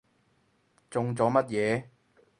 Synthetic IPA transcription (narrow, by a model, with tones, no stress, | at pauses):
t͡sʊ˧ŋt͡sɔː˨˥mɐ˥t̚jɛː˨˧